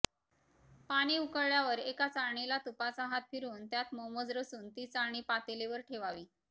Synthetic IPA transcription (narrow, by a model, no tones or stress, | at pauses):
paɽ̃iːukəɽɭjaʋəɾekat͡saɾɳilat̪upat͡saɦat̪̚fʰiɾuːnt̪jat̪moməd͡zɾəsuːnt̪iːt͡saɾɳ̃iːpat̪eleʋəɾʈʰeʋaʋiː